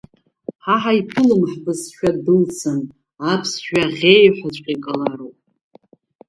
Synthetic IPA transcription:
ħaħaipʰɨlɨmħbɨzʃᶣadɨlt͡sʰɨn | apʰsʃᶣaʁʲejħʷat͡ɕʷʼqʲʼikʼalaɾowpʼ

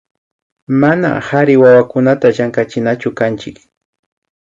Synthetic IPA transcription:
mana̰haɾɪwawakʊnat̪aʒaŋkat͡ʃɪnat͡ʃʊkant͡ʃɪk

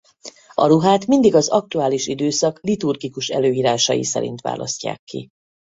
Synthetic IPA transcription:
ɒɾuɦaːt̪mind̪iɡɒzɒk̚t̪uaːliʃid̪øːsɒklit̪urɡikuʃɛløːjiːɾaːʃɒjḭsɛ̰ɾḭnt̪ʋa̰ːlʔɒsca̰ːkːḭ

